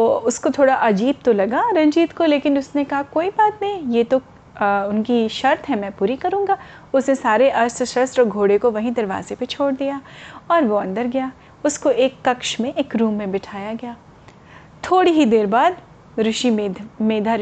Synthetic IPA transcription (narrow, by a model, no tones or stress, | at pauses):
t̪oːʊskot̪ʰoːɽaʔɐd͡ʒiːb̚t̪olɐɡaːɾɐ̃ɲd͡ʒiːt̪koleːkɪnʊsnekɐɦakoːibaːt̪nɐɦĩjet̪o | ʊnkiʃɐɾt̪ɦɛmɛ̃ːpuːɾikɐɾũːŋɡaː | ʊsnesaːɾeʔɐɾsʃɐsʈɔːɾɡʱoːɽekoʋɐɦĩd̪ɐɾʋa̰ːzepet͡ʃʰoːɽd̪ijaːɔːɾʋoɐ̃nd̪əɾɡɐjaː | ʊskoeːkːɐkʃmẽʔeːkɾũːmːẽbɪʈʰaːjaɡɐjaː | t̪ʰoːɽiɦid̪eːɾbaːd̪ | ɾʊʃimeːd̪ʱa